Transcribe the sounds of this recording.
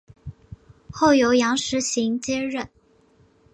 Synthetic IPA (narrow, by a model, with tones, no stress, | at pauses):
xo˥˩ʊjo˧˥ʊjɑ˧˥ŋʂɻ̩˧˥ɕi˧˥ŋt͡ɕjɛ˥ɻə˥˩n